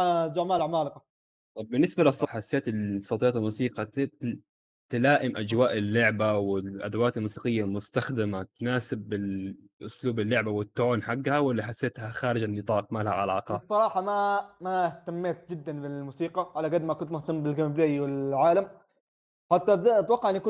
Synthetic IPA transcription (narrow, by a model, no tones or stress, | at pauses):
d͡ʒaʕmaːlʕmaːlqɑ | t̪ˤɑbːɪnːɪsbalsˤːɑħasːeːt̪ɪsˤɑt̪ˤjɑːt̪almuːsiːqɑ | t̪ɪlaːʔɪmʔad͡ʒwaːʔɪlːʊʕbawɪlʔad̪awaːt̪almuːsiːqɪjːalmʊst̪axd̪ɪmat̪naːsɪbːɪl | ʔʊsluːbɪlːʊʕbawɪt̪ːʕoːnħaɡːhawɪlːiħasːeːt̪haxaːɾɪd͡ʒanːɨt̪ˤɑːq̚maːlhaʕa̰laːqɑsˤːɑɾˤɑːħɑmamaht̪amːeːt̪̚d͡ʒɪd̪ːanbɪlmuːsiːqɑʕalaɡad̪makʊnt̪mʊht̪amːbɪlɡambleʔiwɪlʕaːlam | ħat̪ːat̪wɑqːɑʕɪnːikʊ